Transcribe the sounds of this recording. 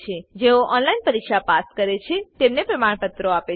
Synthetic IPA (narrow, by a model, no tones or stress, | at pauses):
t͡ʃʰed͡ʒeoʔɔnlainpəɾikʃapaskəɾet͡ʃʰet̪emnepɾəmaɳ̃pət̪ɾoape